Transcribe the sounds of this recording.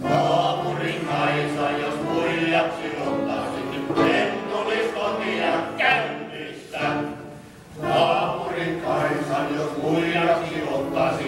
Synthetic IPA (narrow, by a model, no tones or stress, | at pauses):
nɑːpuriŋkɑinsɑjjokuiljɑksilot̪ːɑsinent̪uliskonijɑkæyt̪ysːæ | nɑːpuriŋkɑinsɑjjokuiljɑksiot̪ːɑsi